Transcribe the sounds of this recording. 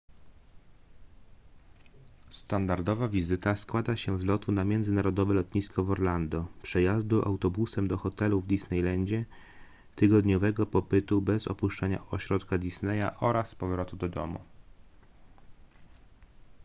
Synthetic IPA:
st̪and̪aɾd̪ɔvavʲizɘt̪askwad̪aɕɛvzlɔt̪unamʲjɛnzɘnaɾɔd̪ɔvɛlɔt̪ɲiskɔvɔɾland̪ɔpʂɛjazd̪uʔa̰wt̪ɔbusɛmd̪ɔxɔt̪ɛluvd̪isnɛjlɛɲd͡ʑɛ | t̪ɘɡɔd̪ɲɔvɛɡɔpɔpɘt̪ubɛzɔ̰puʂt͡ʂaɲa̰ɔɕɾɔt̪kad̪ʲisnɛja̰ʔɔɾaspɔvɾɔt̪ud̪ɔd̪ɔ̰mṵ

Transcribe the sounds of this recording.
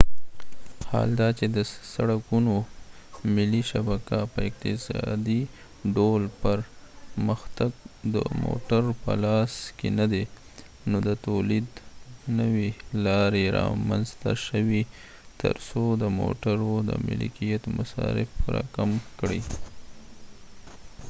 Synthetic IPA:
hɑ̰ld̪ɑt͡ʃed̪əsaɽakuno | mɪlːiʃabakapəɪqt̪ɪsɑd̪i | ɖolpəɾməxt̪aɡ̚d̪ə̰mo̰ʈaɾpə̰lɑskenad̪e | nod̪ət̪olid̪nəwelɑɾeɾɑ̰manzt̪a̰ʃəwi | t̪ə̰ɾsod̪əmo̰ʈaɾod̪ə̰mɪ̰lḭkijat̪masɑɾɪfɾɑkamkɽi

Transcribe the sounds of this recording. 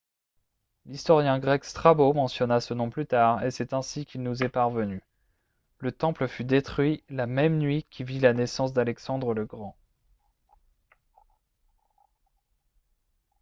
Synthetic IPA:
list̪ɔʁjɛ̃ɡʁɛkst̪χabomɑ̃sjɔnasənɔ̃plyt̪aʁesɛt̪ɛ̃sikʲilnuzɛpaʁvəny | lət̪ɑ̃pləfyd̪et̪χɥilamɛmnɥikʲivilanesɑ̃s̬d̪alɛksɑ̃d̪ʁələɡʁɑ̃

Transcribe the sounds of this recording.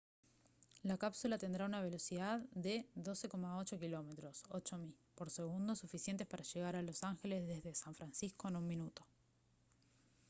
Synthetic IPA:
lakapsulat̪e̞nd̪ɾaunaβ̞e̞lo̞siðaððe̞ðo̞se̞ko̞mao̞t͡ʃo̞kilo̞met̪ɾo̞so̞t͡ʃomipo̞ɾse̞ɣ̞und̪osufisje̞nt̪e̞spaɾaʃe̞ɣ̞aɾalo̞saŋxe̞le̞zðe̞zðesaɱfɾansisko̞enunminut̪o̞̥

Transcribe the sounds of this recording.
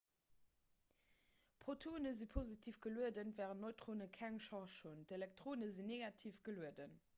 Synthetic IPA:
pχotʰoːnəzipʰozitʰiːfɡəluədənvæːʁənnoɪtʁoːnəkʰæŋʃɑʁʃondelɛk̚tʁoːnəzinːeɡɑtʰiːfɡ̥əluədən

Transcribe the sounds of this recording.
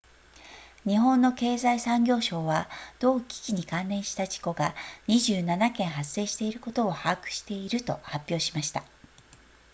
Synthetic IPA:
ɲ̟iɦõ̞nːo̞ke̞ːzaisãŋɡʲo̞ːɕo̞ːβad̪̥o̞ːkʲi̥kʲiɲ̟ikãnːẽ̞ɰ̃ɕi̥t̪aʑi̥ko̞ɡaɲ̟iʑɨːnanakẽ̞ɰ̃ɦase̞ːɕi̥t̪e̞iɾɯ̟ko̞t̪o̞ːhakɯ̟̥ɕi̥t̪e̞iɾɯ̟t̪o̞̰hapʲːjo̞ːɕimaɕi̥t̪a

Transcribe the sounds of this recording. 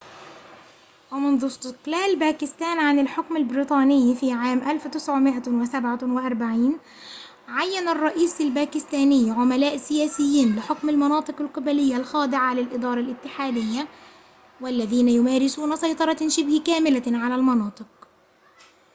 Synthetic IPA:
wæmʊnðʊst̪ɪqlæːlbæːkɪst̪æːnʕanɪlħʊkmɪlbɪɾiːt̪ˤɑːnɪjːfiːʕaːmʔalft̪ɪsʕʊmɪʔawɪsabʕawɪʔɑɾˤbaʕiːn | ʕajːanɑrˤːɑʔiːsalbæːkɪst̪æːnɪjːʕʊmælæːʔsɪjæːsɪjːiːnlɪħokmɪlmɑnɑːt̪ˤɨqɑlqɑbælɪjːalxɑːd̪ɪʕalɪlʔɪd̪ˤɑːɾˤɑlʔɪt̪ːɪħaːd̪ɪjːa | wælːæðiːnæjʊmaːɾɪsuːnasˤɑjt̪ˤɑɾˤɑʃɪbhɪkæːmɪlaʕalælmɑnɑːt̪ˤɨq̚

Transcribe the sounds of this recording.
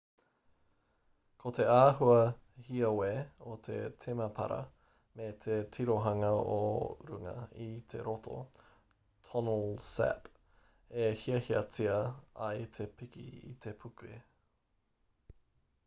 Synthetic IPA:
kʰot̪ʰe̞aːɦuɐhiɐweot̪ʰe̞̰t̪ʰemɐpʰɐ̰ɾɐ̰ | met̪ʰetʰiɾoɦɐŋɐo̰ɾṵŋɐ̰it̪ʰe̞ɾot̪ʰo̰ | tʰɔnəlsɛ̰p | ehiɐhiɐt͡siɐɐjt̪ʰe̞pikḭḭt̪ʰe̞pʰukue

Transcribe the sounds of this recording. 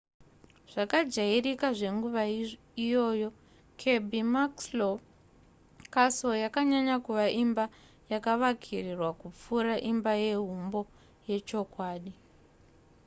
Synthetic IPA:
ʐ̥akad͡ʒairikaʐe̞ŋɡuʋa | ijo̞ːjo̞ | kʰe̞bʱimakslo | kaso̞jakaɲaɲakuʋaʔimba | jakaʋakʰirirwakup͡fuɾaʔimbaje̞ɦumbo̞ | je̞t͡ʃo̞kwaːɗi

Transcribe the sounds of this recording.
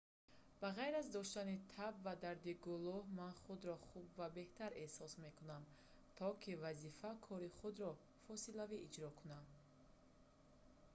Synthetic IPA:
b̥aʁajɾazd̪ɔʃt̪anit̪ʰabvad̪aɾd̪iɡuluhmanχud̪ɾɔχubvabe̞ht̪aɾe̞sɔsme̞kunam | t̪ʰɔkʰivazifakʰɔɾiχud̪ɾɔ | fɔsilaviʔid͡ʒɾɔkʰunad̪

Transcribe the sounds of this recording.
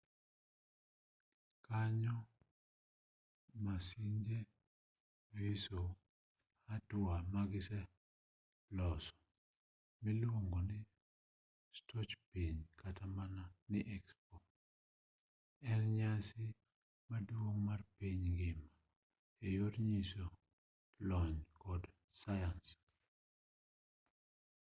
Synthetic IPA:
kaɲɔ | masiɲd͡ʒe | viso | hatʊamaɡɪsɛ | plɔsɔ̥ | mɪlwoŋɡonɪ | stʰɔt͡ʃpiɲkʰatamananɪʔɛkspɔ | ɛnɲasɪ | madwoŋmarpiɲɡɪma | ejotɲiso | lɔɲkɔd | sajans

